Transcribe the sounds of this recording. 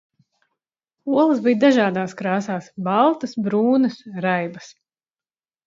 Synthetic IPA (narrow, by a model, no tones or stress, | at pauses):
uɔlˠɨsbijd̪aʒaːd̪aːskɾaːsaːsbɑlˠt̪ɐsbɾuːnɐsɾajbɐs